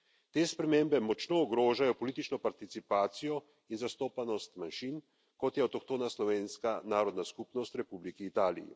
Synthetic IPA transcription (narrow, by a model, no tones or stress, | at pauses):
t̪eːspɾɛmembɛmɔt͡ʃnɔːɡɾoːʒajɔpɔliːt̪it͡ʃnɔpaɾt̪it̪sipaːt̪sijɔ | inzast̪oːpanɔst̪manʃin | kɔt̪jɛɔt̪ɔkt̪oːnaslɔʋeːnskanaːɾɔd̪naskupnɔst̪ɾɛpublikiːt̪aːlḭjḭ